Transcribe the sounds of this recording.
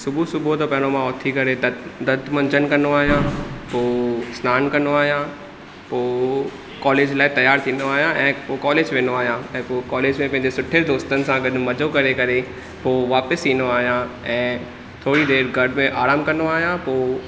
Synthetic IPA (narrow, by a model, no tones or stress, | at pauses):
sʊbʱusʊbʱot̪opɐ̃ɦɪ̃ñomãʊt̪ʰikɐɾed̪ɐd̪ʱmɐ̃ɲd͡ʑənkɐnoaːɦijãpoːsnaːnkɐnoaːɦijã | poː | kɔːleːd͡ʑlaːɪt̪ɐjaːɾt̪ʰiːnoaːɦijãʔɛ̃ːpoːkɔːleːd͡ʑʋẽːnoaːɦijãɛ̃ːpoːkɔːleːd͡ʑmẽpɐ̃ɦɪ̃ɲd͡ʑesʊʈʰeɾd̪oːst̪ənɪ̆sãɡɐɗmɐd͡ʑokɐɾekɐɾe | poːʋaːpəsiːnoaːɦijãɛ̃ː | t̪ʰoːɽid̪eːɾɡʱɐɽmẽʔaːɾaːmkɐnoaːɦijãpoː